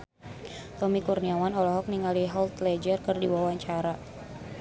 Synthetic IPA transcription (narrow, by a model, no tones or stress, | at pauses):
t̪ɔmikurniawanɔlɔɦɔk̚niŋaliɦɔlt̪lɛd͡ʒərkɨrdiwawaɲt͡ʃaɾa